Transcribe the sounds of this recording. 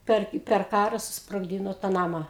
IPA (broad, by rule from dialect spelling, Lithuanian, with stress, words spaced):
ˈpʲɛr ɪ pʲɛr ˈkɑːrɐ sʊsproːɡˈdʲiːnoː tɑː ˈnɑːmɐ